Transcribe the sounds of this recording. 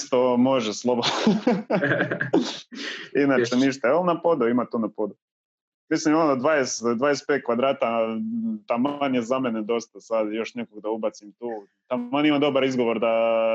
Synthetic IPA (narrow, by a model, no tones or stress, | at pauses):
st̪omoʒeslˠobod̪ | inat͡ʃeniʃt̪aolnapod̪uimat̪uːnapo̞d̪u | mislimonod̪ʋajesd̪ʋaːjespet̪̚kʋad̪ɾaːt̪a | t̪amaɲezamened̪o̞st̪asad̪jo̞ʃnekoɡd̪aubat̪simt̪uː | t̪aonimad̪o̞baɾizɡo̞ʋo̞ɾd̪a